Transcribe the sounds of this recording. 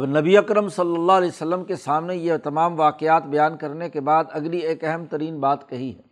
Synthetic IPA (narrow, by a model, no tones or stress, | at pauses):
ɐbnɐbiɐkɾəmsɐlːəlːaɦɐlɛːsɐlːəmkesaːmnejet̪ɐmaːmʋaːqɪjaːt̪bɐjaːnkɐɾnekebaːd̪ɐɡlieːkɛɦɛmt̪ɐɾiːnbaːt̪kɐɦiɦɛː